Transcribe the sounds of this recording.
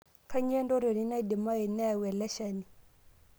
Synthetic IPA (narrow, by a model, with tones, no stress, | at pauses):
ka˦ɲɛ˦ndo˦ɾe˨ni˦na˦i˦di˨ma˦i˨na˦˨wɛ˨lɛ˦ʃa˨ni˨